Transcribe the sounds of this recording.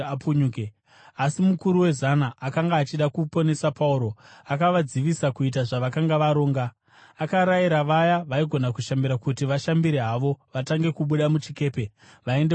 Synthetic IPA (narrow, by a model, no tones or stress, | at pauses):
puɲuke | asimukuɾuwe̞zanaʔːkaŋɡaːt͡ʃiɗakupo̞ne̞sapauɾo̞akaʋad͡ziʋisakuit̬aʐaʋakaŋɡaʋaɾo̞ːŋɡaː | kaɾajiɾaʋajaʋaiɡʱo̞nakuʃambiɾakutiʋaʃambiɾeɦaʋo̞ʋataŋɡe̞kuɓuɗamut͡ʃike̞ːpe̞ | ʋae̞nde